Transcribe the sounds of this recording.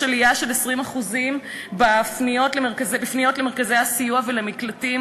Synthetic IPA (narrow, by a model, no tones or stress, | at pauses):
lijaʃe̞lesʁimaχuzim | bafnijo̞tlemeʁkazebifnijo̞tleme̞ʁkaze̞jhasijuavelemiklatim